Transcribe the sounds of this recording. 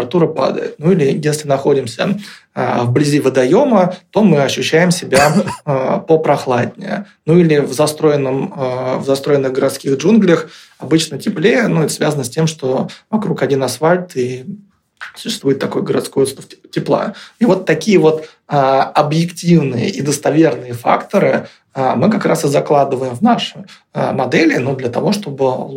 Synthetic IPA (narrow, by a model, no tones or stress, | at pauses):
ɾat̪uɾəpa̰d̪ə̰jɪ̰t̪̚nuilʲɪjesʲlʲɪnɐxo̞dʲɪmsʲə̰ | ə̰vblʲɪzʲivəd̪ɐjo̞mət̪o̞mɨɐɕːʉɕːæjɪmsʲɪbʲa | pəpɾɐxlˠad̚ʲnʲɪ̰ə̰ | nuilʲɪvzɐst̪ɾo̞jɪnːəməvzɐst̪ɾo̞ɪnːɨɣɡəɾɐt̪skʲiɣʐunɡlʲəx | ɐbɨt͡ɕnətʲɪplʲeənuɛt̪ə̥svʲazənəsʲtʲe̞mʂt̪o̞vɐkɾukɐdʲinɐsfalʲt̪i | sʊ̥ɕːɪst̪vuɪt̪ːɐko̞jɡəɾɐ̰t̪skojot̪st̪əfʲtʲɪplˠa̰ivo̞t̪ːɐkʲijəvo̞t̪ | əɐbjɪktʲivnɨjə̰ʔid̪əst̪ɐvʲe̞rnɨjəfa̰kt̪əɾɨ | amɨkɐkɾasɨzɐklˠad̪ɨvəjɪmvnaʂɨ | ə̰mɐd̪ɛlʲɪnud̪lʲət̪ɐvo̞ʂt̪o̞bɨ